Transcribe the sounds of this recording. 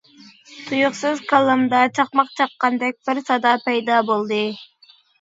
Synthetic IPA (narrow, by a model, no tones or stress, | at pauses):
t̪ʰujuqsɨzkɑlˠɯmd̪ɑt͡ʃʰɑqmɑqt͡ʃʰɑqːɑnd̪ek̚ʲpɑɾsɑd̪ɑpɑjd̪ɑbolˠd̪ɨ